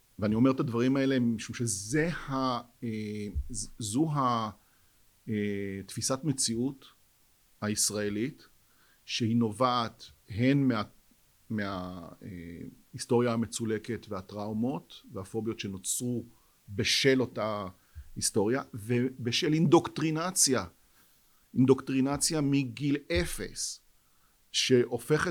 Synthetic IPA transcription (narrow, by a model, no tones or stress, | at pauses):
veanio̞me̞ʁt̪advaʁimae̞le̞iʃumʃeze̞hae | zuɦa | etfisatme̞t͡siut | haisʁae̞lit | ʃehino̞vaːtɦe̞nmea | meaḛ | isto̞ʁjahame̞t͡sule̞ke̞tveatʁaumo̞tvehafo̞bjo̞tʃeno̞t͡sʁu | be̞ʃe̞lo̞ta | histo̞ʁjavebeʃelindo̞ktʁinat͡sja | indo̞kt̪ʁinat͡sjamiɡilefe̞̰s | ʃe̞ʔo̞fe̞χe